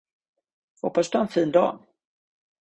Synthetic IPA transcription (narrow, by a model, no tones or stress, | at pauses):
hɔpːasd̪ɵhaɛnfiːnd̪ɑ̰ː